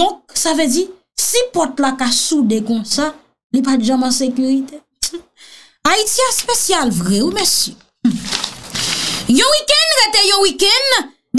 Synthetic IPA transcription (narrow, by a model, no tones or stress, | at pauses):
ɔ̃k̚saved͡zi | sipɔt̪lakasudekɔ̃sa | lipat̪ʒãmãsekyʁit̪e | aitiaspesjalvʁɛwimɛsjø | jɔ̃wikɛ̃nʁɛt̪ejɔ̃wikɛ̃n | d̪